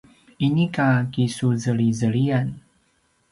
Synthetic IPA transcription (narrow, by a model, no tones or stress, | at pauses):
inikakisuzəɭizəɭian